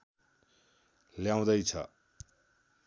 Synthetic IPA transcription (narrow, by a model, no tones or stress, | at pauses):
ljaw̃d̪ʌjt͡sʰʌ̰